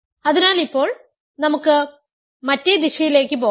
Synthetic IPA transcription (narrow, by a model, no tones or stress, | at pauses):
ɐðinaːlipːo̞ːɭ | nɐmukːɨ | mɐtːed̪iɕɐjile̞ːkːɨp̬o̞ː